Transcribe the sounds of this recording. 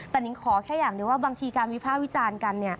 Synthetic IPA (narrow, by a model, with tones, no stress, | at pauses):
t̪ɛ˨˩ni˨˦kʰɔː˩˦kʰɛː˥˩jaː˨˩ŋdi˨˩˦waː˥˩baː˧ŋt̪ʰiː˧kaː˧nwi˦˥pʰaː˥˩p̚wi˦˥t͡ɕaː˧nka˧nːi˥˩ɐ